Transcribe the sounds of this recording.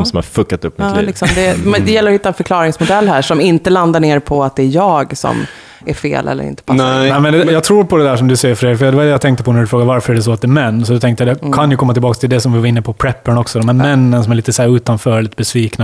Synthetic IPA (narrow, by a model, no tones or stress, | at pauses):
msɔmha̰ɾfɵkːat̪ɵpːmɪlːlɪksɔmd̪ɛd̪ɛjɛlːəɾɔhɪt̪ːaɛnfœɾkʰlɑːɾɪŋsmʊd̪ɛlːhæːʂɔmɪnt̪əland̪aɳeːɾpʰɔat̪̚d̪ɛːɾjɑːɡsɔ̰m | æɾfḛːlʔɛ̰lːə̰ɾɪ̰nt̪ə̥pʰanːnɛːmɛnd̪ɛjɑːɡt̪ʰɾuːɾpʰɔd̪ɛd̪æːʂɔmd̪ɵsɛjːəɾfœɾɛfjd̪ɛvad̪ɛjɑt̪ʰɛŋkt̪əpʰɔnæɖʉfɾoːɡaɾvaɾfœɾæɖɛs̬ɔat̪̚d̪ɛːmɛnːsɔd̪ɔt̪ʰɛŋkt̪əjɑːd̪ɛkʰanjɵkʰɔmːat̪ʰɪlbɑːkst̪ʰɪld̪ɛsɔmvɪvaɾɪnːəpʰɔpʰɾɛpːəɳɔksɔd̪ɔmhæːɾmɛnːəns̬ɔmæɭliːt̪əsæːɾʉ̟ːt̪anfœːɾɭiːt̪əbɛsviːkna